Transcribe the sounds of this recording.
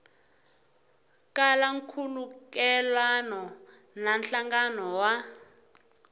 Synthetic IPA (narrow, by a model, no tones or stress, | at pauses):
kʼalaŋkʰulukɛlwanɔ | nanɬaŋɡanɔwa